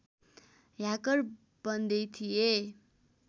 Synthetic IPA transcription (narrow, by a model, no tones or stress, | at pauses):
jakʌr | bʌnd̪ʌjt̪ʰije